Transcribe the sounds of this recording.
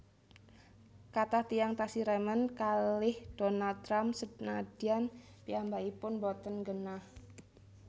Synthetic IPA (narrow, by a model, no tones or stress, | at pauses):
kat̪aht̪ijaŋt̪asiɾɛmənkalɪhd̥onald̪̚t̪ɾamsənad̥ian | piambaipʊnbɔt̪ənɡənah